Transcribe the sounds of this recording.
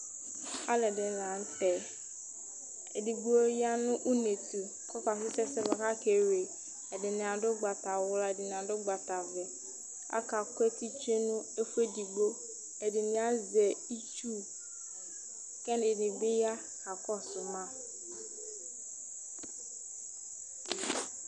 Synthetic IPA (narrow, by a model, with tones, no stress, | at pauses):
a˦lɛ˨dɪ˨˦la˨n̩˦tɛ˨ | e˨di˨ɡ͡bo˦ja˦nʊ̃˦ʔu˦ne˨tu˨ | kɔ˦ka˨s̬ɪ˦sɛ˦sɛ˦ba˨ka˦ke˨ɾe˨ | ɛ˨dɪ˨nɪ̃˨a˨dʊ˦ɡ͡ba˨ta˨wʊ˦la˨ɛ˨dɪ˨nɪ̃˨a˨dʊ˦ɡ͡ba˨ta˨vɛ˨ | a̰˦ka˨kɛ˦ti˦t͡ʃu˦e˦nʊ̃˦e˦fu˦e˦di˨ɡ͡bo˦ | ɛ˨dɪ˨nɪ̃˨a˦zɛ˨i˦t͡ʃu˦ | kɛ˦n˦dɪ˨nɪ˨bɪ˦ja˦ | ka˨kɔ˦sʊ˨mã˦